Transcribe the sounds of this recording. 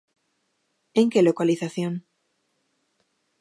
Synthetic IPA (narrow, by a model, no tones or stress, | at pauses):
eŋkelokaliθaθjon